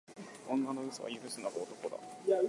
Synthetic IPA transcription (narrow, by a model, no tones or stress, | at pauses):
õŋɡanoɯ̟soβa̰jɯɾɯ̟sɨnaɡoot̪o̞ko̞d̪a̰ja